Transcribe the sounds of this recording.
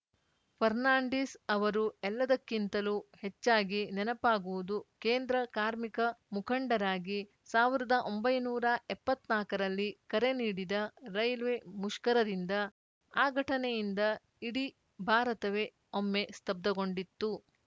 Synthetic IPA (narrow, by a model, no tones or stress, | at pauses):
pʰɐɾnaːɳɖisɐʋɐɾuɛlːɐd̪ɐkːint̪ɐluhet͡ʃːaːɡinɛnɐpaːɡuʋud̪ukeːnd̪ɾɐkaːɾmikɐmukʰɐɳɖɐɾaːɡi | saːʋiɾɐd̪ɐʔo̞mbɐjnuːɾɐɛpːɐt̪naːkɐɾɐlːikɐɾe̞niːɽid̪ɐɾɐjlʋemuʃkɐɾɐd̪ind̪ɐ | aːɡʱɐʈɐnejind̪ɐ | iɽi | bʱaːɾɐt̪ɐʋe̞ | omːe̞st̪ɐb̚d̪ɐɡo̞ɳɖit̪ːu